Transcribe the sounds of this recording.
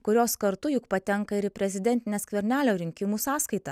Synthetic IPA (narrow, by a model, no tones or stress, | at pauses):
kʊɾʲoːskɐɾt̪ʊjʊkpɐt̪ʲɛŋkɐɪɾɪpʲɾʲɛzʲɪd̪ʲɛnʲt̪ʲɪnʲeːskʋʲɛɾʲnʲæːlʲoːɾʲɪŋʲkʲɪmuːsɑːskɐɪt̪ɐ